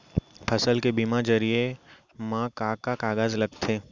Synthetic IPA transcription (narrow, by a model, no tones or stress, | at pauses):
pʰɐsəlkebiːmad͡ʒɐɾie | mãːkaːkakaːɡaːzlɐɡ̚t̪ʰeː